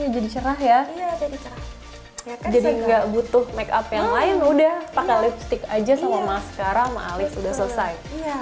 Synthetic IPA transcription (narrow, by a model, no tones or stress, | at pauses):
jad͡ʒadit͡ʃəɾahɦjai | d͡ʒadiŋɡaʔbut̪ʊhmɛkapjaŋlaɪnudahpakalɪpst̪ɪkad͡ʒasamamasə̥kaɾaŋma̰ʔːlɪsudahsələsaj